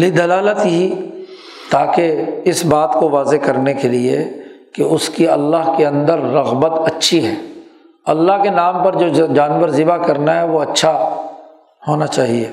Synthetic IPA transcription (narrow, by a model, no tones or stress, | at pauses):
lid̪ɐlaːlət̪ɦi | t̪aːkeɪsbaːt̪koʋaːzekɐɾnekeliḛkeʊskiɐlːaɦkeɐ̃nd̪əɾːɐɣbət̪ɐtːʃʰiɦɛː | ɐlːaɦkenaːmpɐɾd͡ʒoːd͡ʒaːnʋəɾzɪbakɐɾnaɦɛʋoɐtːʃʰa | hoːnat͡ʃaːɦieː